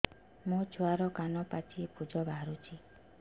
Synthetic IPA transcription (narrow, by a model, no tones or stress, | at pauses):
mũt͡ʃʰuaɾɔkanɔpat͡ʃʰipud͡ʒɔbaɦaɾut͡ʃʰi